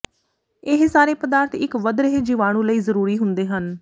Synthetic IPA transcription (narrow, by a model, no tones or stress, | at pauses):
ɪɦsaːɾeːpəd̪aːɾt̪ɪkʋəd̪ɾəɦd͡ʒɪʋaːɽ̃ũːləiːzəɾuːɾiːɦʊnd̪eːɦən